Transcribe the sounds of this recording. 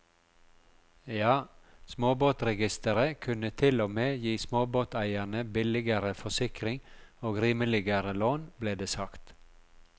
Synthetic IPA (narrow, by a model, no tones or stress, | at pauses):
jɑːsmoːboːt̪ɾɛɡɪst̪əɾəkʰʉnət̪ʰɪlɔmeːjiːsmoːboːt̪ʰæɪænəbɪlɪɡəɾəfɔsɪkɾɪŋoːɡɾiːməlɪɡəɾəloːnbleːd̪eːsɑkt̪